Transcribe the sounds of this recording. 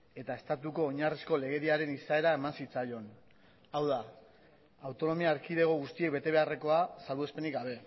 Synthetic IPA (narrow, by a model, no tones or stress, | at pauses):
e̞t̪ae̞st̪at̪uko̞ːɲarisko̞le̞ɣ̞e̞ɾiaɾe̞nisae̞ɾae̞mansit͡sajo̞n | awðaː | wt̪o̞no̞miaːɾkiðe̞ɣ̞o̞ɣust̪ie̞k̚be̞t̪e̞β̞e̞are̞ko̞asalβue̞spe̞nikɡaβ̞e̞